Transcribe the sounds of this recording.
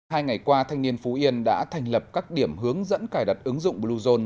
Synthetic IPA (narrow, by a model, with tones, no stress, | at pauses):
haː˧jŋa˨˩jkwaː˧t̪ʰa˧jŋ̟ni˧ənfu˨˦ʔi˧ənɗa̰ː˧˥t̪ʰa˨˩jŋlə˨˩p̚kaː˦˥k̚ɗi˧˩əmɦɨ˨˦əŋzə̰˧˥nkaː˧˩jɗa˨˩t̚ʔɨ˨˦ŋzʊ̰˧˨ŋ͡mɓlu˧zo˧n